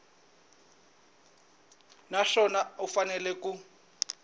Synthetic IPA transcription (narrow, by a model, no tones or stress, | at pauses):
naʂɔnaufanɛlɛku